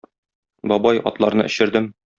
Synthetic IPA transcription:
bɒbɑjɒ̰t̪lˠɑɾnɤ̰ʔɘ̆ɕɘ̆ɾd̪ɘm

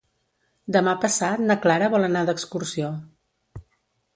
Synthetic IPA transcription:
d̪əmapəsat̪nəklaɾəβɔlˠənad̪əkskursio

